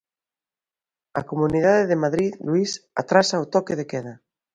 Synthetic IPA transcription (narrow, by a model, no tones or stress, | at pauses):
ɐkomuniðaðeðemaðɾiðluisa̰t̪ɾasaot̪ɔkeðekɛðɐ